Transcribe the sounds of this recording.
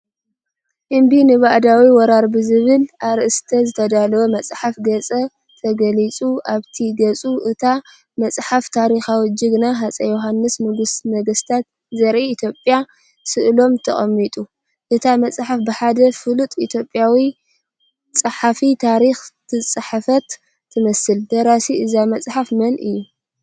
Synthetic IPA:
ʔɨmbinɨβaʔd̪awiwɔɾaɾbɨzɨβɨlʔaɾɨʔɨst̪ʰɐzɨt̪ʰɐd̪alɐwomɐt͡sʼħafɡɐt͡sʼɐ | t̪ʰɐɡɐlit͡sʼuaβt̪ʰiɡɐt͡sʼuʔɨt̪ʰa | mɐt͡sʼħaft̪ʰaɾixawɔd͡ʒiɡɨnaɦat͡sʼɐjoɦanːɨsnɨɡɨsmɐɡɐst̪ʰat̪̚ | zɐɾʔiit̪ʰjo̞pʼja | sɨʔlo̞mt̪ʰɐχʼɐmːit̪ʼu | ʔɨt̪ʰamɐt͡sʼħafbɨħad̪ɐfɨlut̪ʼit̪ʰjo̞pʼjawi | t͡sʼɨħafit̪ʰaɾixt̪ʰɨt͡sʼɨħafɐt̪ʰː | ɨmɐsɨld̪ɐɾasiʔɨzamɐt͡sʼħafmɐnʔɨjːu

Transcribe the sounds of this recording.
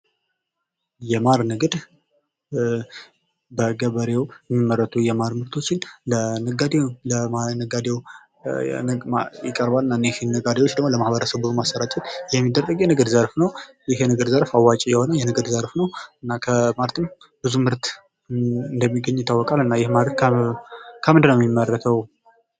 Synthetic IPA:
jɛmaɾnɨɡɨd̪ | bəɡəβəɾe̞wjɛmːimːəɾət̪ʰujɛmaɾmɨɾt̪ʰo̞t͡ʃːɪnlənɨɡad̪ewləmanəɡad̪e̞w | jɪ̰kʼəɾbalɨnːanːehinːəɡad̪ewot͡ʃːd̪əɡmoləmahbəɾəsəbomasːəɾat͡ʃʼɛt̪jɛmːid̪əɾt̪ʼəɡjɛnəɡəd̪zəɾfnəwjɪhjɛnəɡəd̪zəɾfawːat͡ʃʼijɛho̞nəjɛnɨɡəd̪zəɾfnəwɨnːakʰəmalt̪ʰɨm | bɨzumɨɾt̪ | ɨnd̪əmːiɡəɲːɪt̪ʰːawːɔkʼalɨnːajɪhmadɾət̪kʰ | kʰəmɨnd̪ɨnːəwjɛmimːərːət̪ʰəw

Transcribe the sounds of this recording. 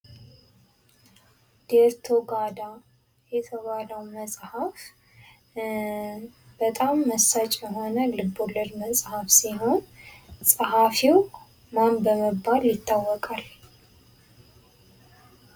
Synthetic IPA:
d̪̥eɾt̪ʰoɡad̪a | jɛt̪ʰəβaləwməsʼhaf | b̥ət̪ʼamːəsat͡ʃʼjəɦo̞nəlɨbːoləɾməsʼhafsiɦo̞nsʼhafiw | manbəməbːaljɪt̪ʰːawːɔkʼal

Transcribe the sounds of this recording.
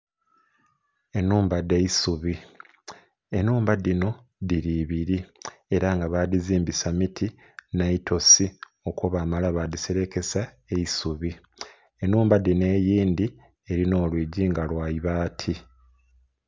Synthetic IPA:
e̞nuːmbadːe̞isuβi | e̞nuːmbadino̞ | diɾiβiɾie̞ɾaŋɡaβadiziːmbisamitʰi | naitʰo̞si | o̞koβaːmalaβadiseɾe̞ke̞sa | eisuβi | enuːmbadine̞ːjiːnd̪i | e̞ɾino̞ːlwiːɟiŋɡalwaːjiβaːtʰi

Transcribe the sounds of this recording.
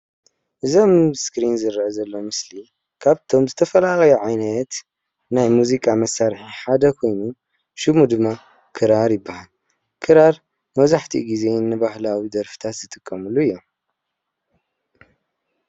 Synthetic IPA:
ʔɨzomskɾinzɨɾʕɨzɐlːo̞mɨsli | kʰaβt̪ʰo̞mzɨt̪ʰɐfɐlalɐjuʕajnɐt̪ | najmuzikʼamɐsːaɾħiħad̪ɐkʰo̞jnu | ʃumud̪ɨmːa | kʰɨɾaɾjɪbːahal | kʰɨɾaɾ | mɐβzaħt̪ʰḭɡize̞nːɨbahlawid̪ɐɾfɨ̥t̪ʰat̪zɨt̪ʰʼɨkʼːɐmulːuɨjːom

